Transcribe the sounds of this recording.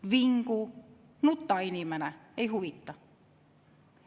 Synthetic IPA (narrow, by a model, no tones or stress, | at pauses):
ʋiŋku | nut̪ːɑenimænæeihuʋit̪ːɑ